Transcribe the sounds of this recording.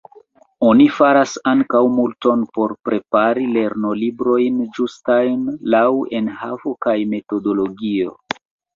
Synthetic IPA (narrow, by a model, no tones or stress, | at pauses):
o̞nifaɾasaŋkawmulto̞npo̞ɾpɾe̞paɾile̞ɾno̞libɾo̞jnd͡ʒustajnlawe̞nhavo̞kajme̞to̞do̞lo̞ɡio̞̰